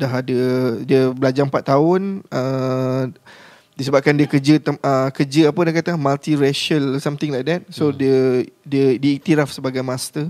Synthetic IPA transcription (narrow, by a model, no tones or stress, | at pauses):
daɦadədiəbəlad͡ʒaŋpat̪ːaʊnə | disəbap̚kandiəkərd͡ʒəʔəkərd͡ʒəapədahkat̪amalt̪iɾɛʃəlsamt̪ɪ̃ŋlajk̚dɛt̪̚sodiədiədiːk̚t̪iɾafsəbaɡajmãst̪ə